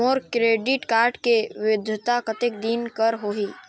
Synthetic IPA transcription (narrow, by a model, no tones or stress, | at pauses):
oːɾkɾeːɖɪʈkaːɾɖkeʋɪɪd̪ʱjʊt̪akət̪ek̚d̪inkəɾɦoːɦi